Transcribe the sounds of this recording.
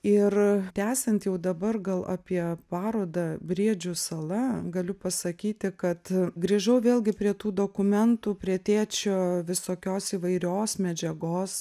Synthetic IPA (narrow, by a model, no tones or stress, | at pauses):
ɪt̪ʲæːsʲɛnt̪jɛʊd̪ɐbɐrɡɐlˠɑ̰ːpʲiɛpɑːɾoːd̪ɐbʲɾʲiɛd͡ʒʲʊsɐlˠɐɡɐlʲʊpɐsɐkʲiːt̪ʲɪkɐt̪ɡɾʲiːʒɐʊʋʲeːlʲˠɡʲɪpʲɾʲiɛt̪uːd̪oːkʊmʲɛnt̪uːpʲɾʲiɛt̪ʲeːt͡ʃʲoːʋʲɪsoːkʲoːsiːʋɐɪɾʲoːsmʲɛd͡ʒʲɛɡoːs